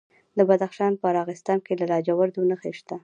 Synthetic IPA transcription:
d̪əbad̪axʃɑnpəɾɑɣɪst̪ɑnkelalɑd͡ʒawaɾd̪onəxeʃt̪a

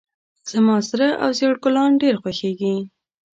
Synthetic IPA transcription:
z̥amɑsɾaʔa̰wzeɽkʊlɑnɖeɾxwaxeɡi

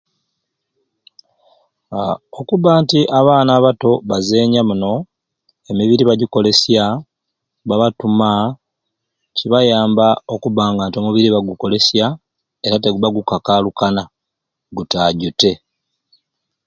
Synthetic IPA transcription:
o̞kuβaːntiʔaβaːnaːβato̞βazeːɲamuno̞ | e̞miβiɾiβaɟiko̞le̞sja | βaβatuma | ciβajaːmbao̞kuβaːŋɡaːntio̞muβiɾiβaɡuko̞le̞sja | e̞ɾate̞ɡuβaɡukakaːlukana | ɡutaɟute̞

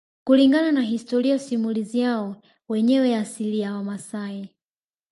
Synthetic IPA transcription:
kuliŋɡananaɦistɔɾiasimulizijaɔ | wɛɲɛwɛasiliawamasai

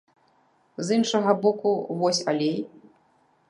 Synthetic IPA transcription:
zinʂɐɣɐbɔkuvɔsʲa̰lʲej

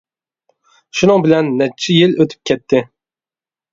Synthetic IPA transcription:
ʃunɨŋbɪlɛnːɛt͡ʃʰːɪjiløt̪ʰy̥p̚kʲʰɛt̪ʰːɪ

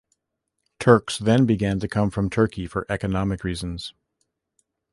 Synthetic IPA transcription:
tʰɜ˞ksðɨ̃nbɨɡæ̃ntɨkʰʌ̃ɱfɹʌ̃mtʰɜ˞kifə˞ʔɛkɨnɑmɨkɹiz̃n̩z̥

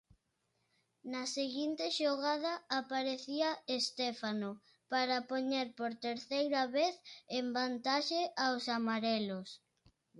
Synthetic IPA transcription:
nɐseɣint̪ɪʃoɣaðɐapaɾeθiɐest̪ɛfano | paɾɐpoɲeɾpoɾt̪eɾθejɾɐβeθembant̪aʃeʔawsamaɾɛlos

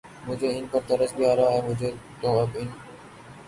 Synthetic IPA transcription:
mʊ̃d͡ʑeːɪnpəɾt̪əɾəsbɪjaːɾaɦeːmʊ̃d͡ʑeːt̪õːəbɪn

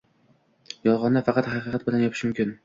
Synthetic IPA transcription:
jɒlˠʁɒnd̪afɑqɑt̪χɑqɨqʰɑt̪̚bɪlanjɒpʰɪ̥ʃmʊmkʲɪn

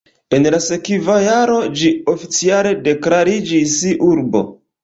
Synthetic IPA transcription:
e̞nlase̞kivajaɾo̞d͡ʒiofit͡siale̞de̞klaɾid͡ʒisiʔuɾbo̞̰

